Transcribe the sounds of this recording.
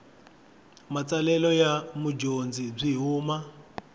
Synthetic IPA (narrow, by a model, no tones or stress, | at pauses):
mat͡salɛlɔjamud͡ʒond͡zib͡ʐiɦuːma